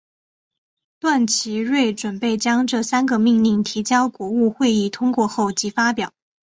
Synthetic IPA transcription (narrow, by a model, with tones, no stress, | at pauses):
t̪wa˥˩nt͡ɕʰi˧˥ɻwe˥˩ɪʈ͡ʂwə˨˩npe˥˩ɪt͡ɕjɑ˥ŋʈ͡ʂɤ˥˩sa˥nɡə˧mi˥˧ŋli˥˩ŋt̪ʰi˧˥t͡ɕjɑ˥ʊkwɔ˧˥u˥˧xwe˥˧ɪi˥˩t̪ʰʊ˥ŋkwɔ˥˧xo˥˩ʊt͡ɕi˧˥fa˥pjɑ˨˩˦ʊ